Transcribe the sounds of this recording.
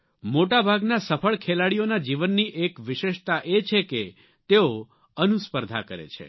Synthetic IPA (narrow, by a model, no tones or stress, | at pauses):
moʈabʱaɡnasəfəɭkʰelaɽijonad͡ʒiʋənːiʔekʋɪʃeʃt̪aʔet͡ʃʰeke | t̪eo | ənuspəɾd̪ʱa̰kəɾḛt͡ʃʰḛ